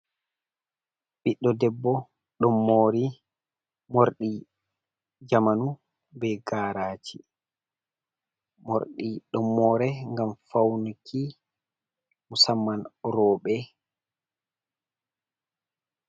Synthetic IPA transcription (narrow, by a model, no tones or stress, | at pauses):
ɓiɗːɔdɛbːɔ | ɗɔmːoːɾi | moɾɗi | d͡ʒamanu | bɛɡaːɾaːt͡ʃi | mo̰ɾɗiɗɔmːɔːɾɛŋɡamfawnukʰi | musamːanɾɔːɓɛ